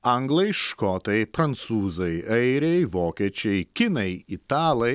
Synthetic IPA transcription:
ɐŋɡlˠɐɪʃkɔt̪ɐɪpɾɐnt̪suːzɐɪɐɪɾʲɛɪʋoːkʲiɛt͡ʃʲɛɪkʲɪnɐɪɪt̪ɑːlˠɐɪ

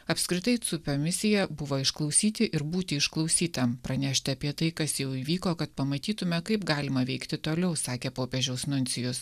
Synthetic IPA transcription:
ɐpskɾʲɪt̪ɐɪt̪sʊpʲomʲɪsʲɪjɛbʊʋoːɪʃklˠɒʊsʲiːt̪ʲɪʔɪɾbuːt̪ʲɪɪʃklˠɐʊsʲiːt̪ɐmpɾɐnʲæːʃʲt̪ʲɪɐpʲiɛt̪ɐɪkɐsjɛʊiːʋʲiːkoːkɐt̪pɐmɐt̪ʲiːt̪ʊmʲɛkɐɪpɡɑːlʲɪmɐʋʲɛɪkt̪ʲɪt̪oːlʲɛʊsɑːkʲeːpoːpʲeʒʲɛʊsnʊnʲt̪sʲɪjʊs

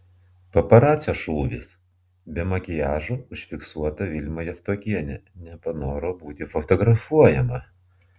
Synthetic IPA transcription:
pɐpɐɾɑːt̪sʲoʃuːʋʲɪ̰s | bʲɛmɐkʲɪjæːʒoːʊʃʲfʲɪksuɔt̪ɐʋʲɪlʲmɐjɛft̪oːkʲiɛnʲɛnʲɛpɐnoːɾobuːt̪ʲɪfɔt̪ɔɡɾɐfuɔjɛmɐ

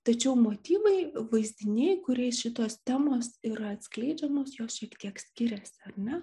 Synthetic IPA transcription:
t̪ɐt͡ʃʲɛʊmoːt̪ʲiːʋɐɪʋɐɪzʲd̪ʲɪnʲɛːɪjkʊɾʲɛɪsʃʲɪt̪oːst̪ʲæːmoːsiːɾɐɐt̪ʲsʲklʲɛɪd͡ʒʲɛmoːsjoːsʃʲiɛkt̪ʲiɛksʲkʲɪɾʲɛːsʲɐrnʲɛ

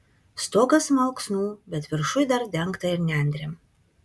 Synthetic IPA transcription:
st̪oːɡɐsmɐʊksnuːbʲɛt̪ʋʲɪɾʃʊjd̪ɐɾd̪ʲɛŋkt̪ɐɪɾnʲɛnʲd̪ʲɾʲem

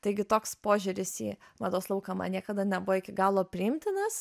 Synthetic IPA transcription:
t̪ɐɪɡʲɪt̪oːkspoːʒʲʊɾʲɪsḭːmɐd̪oːslˠɐʊkɐmɐ̰nʲiɛkɐd̪ɐnʲɛbʊʋoːɪkʲɪɡɑːlˠoːpʲɾʲɪɪmʲt̪ʲɪnɐs

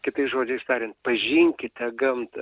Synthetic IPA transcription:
kʲɪt̪ɐɪsʒoːd͡ʒʲɛɪst̪ɑːɾʲɪnt̪pɐʒʲiŋʲkʲɪt̪ʲɛɡɐmt̪

